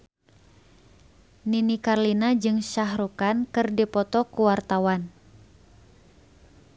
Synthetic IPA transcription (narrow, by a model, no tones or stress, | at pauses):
ninikarlinad͡ʒɨŋʃaɦɾukankɨrdipɔt̪ɔkuwart̪awan